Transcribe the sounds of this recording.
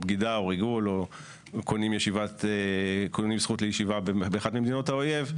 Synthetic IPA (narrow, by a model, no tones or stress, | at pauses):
bɡidaoʁiɡulo | kʰonimjeʃivat | konimbsχutlejeʃivabebeːχadmimd̪ino̞thaoje̞v